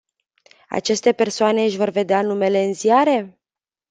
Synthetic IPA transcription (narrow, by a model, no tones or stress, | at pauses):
a̰t͡ʃe̞st̪e̞pe̞rsoane̞ɨʃʲvo̞rve̞d̪eanume̞le̞ɨnziaɾe̞